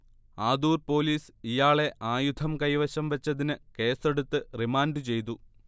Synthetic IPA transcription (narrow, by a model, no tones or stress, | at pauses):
aːd̪uːrpo̞ːliːsijaːɭe̞ʔaːjud̪ʱʰɐmkɐjʋɐɕɐmʋɐt͡ɕːɐðinɨke̞ːse̞ɽut̪ːɨrimaːndɨt͡ɕe̞jt̪̬u